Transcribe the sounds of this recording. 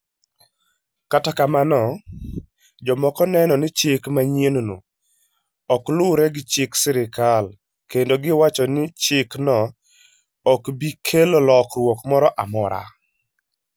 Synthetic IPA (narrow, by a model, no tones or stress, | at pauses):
katakamanɔ | d͡ʒɔmɔkɔnɛnɔnɪt͡ʃɪkmaɲjenono̰ | ɔklʊɾɛɡɪt͡ʃɪksɪɾɪkal | kendoɡɪwat͡ʃɔnɪt͡ʃɪknɔ | ɔkbikʰelolɔkɾwɔkmɔɾɔʔamɔɾa̰